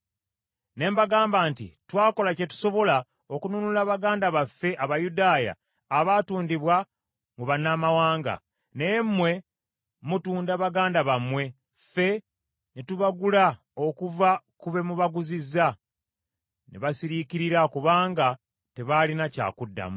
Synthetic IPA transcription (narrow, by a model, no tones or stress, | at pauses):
ne̞ːmbaɡaːmbaːntḭtwaːko̞lace̞tu̥so̞βo̞la | o̞kununulaβaɡaːndaβafːe̞ʔaβajudaːja̰ː | βaːtuːndiβwa | muβanːamawaːŋɡa̰ | neːmːwe̞ | mutuːndaβaɡaːndaβamwe̞ | fe̞ | netuβaɡula | o̞kuvakuβe̞muβaɡuzizːa | nḛβasiɾikiɾiɾakuβaːŋɡa | te̞βalinaca̰ːkudːa̰mu